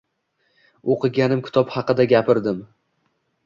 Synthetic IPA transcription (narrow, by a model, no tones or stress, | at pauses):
oqɨɡʲanɪmkʰʲɪ̥t̪ʰɒphɑqɨd̪aɡʲapʰɪɾd̪ɪm